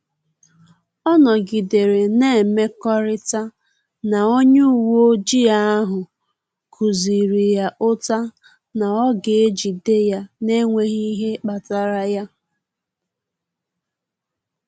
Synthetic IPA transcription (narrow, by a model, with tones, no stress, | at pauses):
ɔ˦nɔ˨ɡi˨de˨ɾe˨ne˦˨me˦kɔ˦ɾɪ˦ta˦ | na˨o˦ɲe˦u˨wo˦d͡ʒi˦a˦a˦ɦʊ˨ | kʰu˨zi˨ɾi˨ja˨ʔʊ˦ta˦ | na˨ɔ˦ɡe˨e˦d͡ʒi˨de˦ja˨ne˦ŋʷe˦ɣi˦ɦe˦k͡pa˨ta˨ɾa˦ja˦